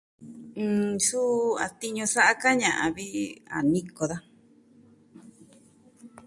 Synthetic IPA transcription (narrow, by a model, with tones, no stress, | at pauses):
ɨ̃˨˧su˦a̰˨t̪i˧ɲõ˧sa˦ʔa˦ka˦ɲã˨ʔã̰˨βi˦a̰˨nĩ˧ko˧ða˦